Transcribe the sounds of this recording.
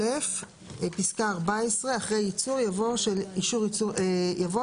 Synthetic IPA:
ef | episkaːʁbaesʁe̞aχʁejit͡suʁjavoʃeliʃuʁiuejavo

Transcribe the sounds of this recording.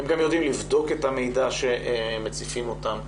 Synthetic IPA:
hemɡamjod̪imlivd̪o̞ket̪hame̞jdaʃemet͡sifimo̞tam

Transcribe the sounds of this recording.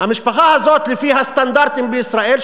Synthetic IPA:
hamɪʃpaxahazot̪lɪfiɦast̪and̪aɾt̪imbɪisɾaʔel

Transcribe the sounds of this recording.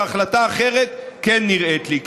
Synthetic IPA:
aχlataːχe̞ʁet̪kenːiʁet̪lik

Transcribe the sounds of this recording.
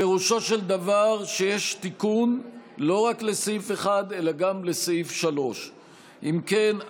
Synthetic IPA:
e̞ʁuʃo̞ʃe̞ld̪avaʁʃe̞jeʃt̪ikunlo̞ʁakle̞seife̞χad̪e̞laɡamle̞seifʃalo̞ʃ | ʔimken

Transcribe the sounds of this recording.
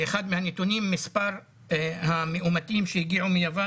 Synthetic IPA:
eχad̪mehanet̪unimːispaʁ | hameʔumat̪imʃejiɡiʕumijava

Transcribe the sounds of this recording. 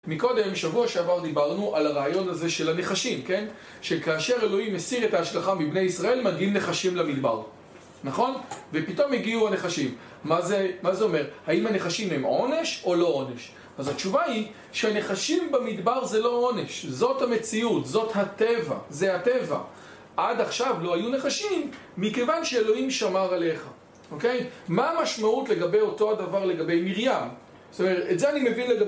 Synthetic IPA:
miko̞d̪e̞mʃavuaʃeavaʁd̪ibaʁnuʔalaʁaːjo̞nhaze̞ʃe̞lane̞χaʃimke̞n | ʃekaːʃe̞ʁe̞lo̞imesiʁe̞taːʃlaχamibne̞jisʁae̞lmaɡimne̞χaʃimlamid̪baʁ | naχo̞nvepito̞miɡiuane̞χaʃimː | azemazeo̞me̞ʁhaimhane̞χaʃimemo̞ne̞ʃo̞lo̞o̞ne̞ʃ | azat͡ʃuvai | ʃeane̞χaʃimbamid̪baʁzelo̞one̞ʃzo̞thame̞t͡siutzo̞thateva̰zeate̞va̰ | ʔadaχʃavlo̞hajune̞χaʃimː | ike̞vanʃeelo̞imʃamaʁale̞χa | o̞ke̞jmaːmaʃmautle̞ɡabe̞jo̞to̞adavaʁle̞ɡabe̞jmiʁjam | zot̪omeʁetetzeanimevinleɡa

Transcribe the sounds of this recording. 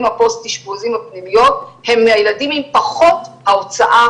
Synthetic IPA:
mhapostiʃbozimhapnimijo̞the̞mːeajeladimimpaχo̞thaot͡saʔa

